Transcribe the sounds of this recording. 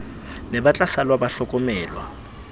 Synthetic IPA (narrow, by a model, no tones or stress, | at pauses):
nɛbat͡ɬʼasalwabaɬɔkʼɔmɛːlwa